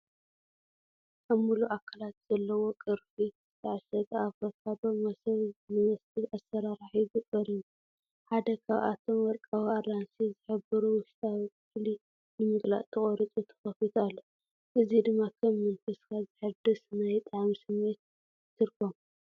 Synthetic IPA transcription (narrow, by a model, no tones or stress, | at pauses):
ʔamːuluʔakʰalat̪z̥ɐlːɐwokʼɨɾfi | ɨt̪ʰɐʕaʃɐɡ̪aβɐkʰabɐmɐsɐnɨnɐst̪ʰiasːɐɾaɾaħibɨkʼɐɾiju | ħad̪ɐkʰaβʔa̰t̪ʰo̞mɐɾkʼawiaɾansizɨħɨbɨɾuwɨʃt̪ʼaw | fli | nɨmɨɡla̰ʔt̪ʰɨχʼoɾɨt͡sʼut̪ʰɐ̥xɐfit̪ʰalːo | ʔɨzid̪ɨmːakʰɐmːɨnfɨskʰazɨħɨd̪ɨsnajt̪ʼaʕmisɨmːet̪̚ | t̪ʰɨɾkʰom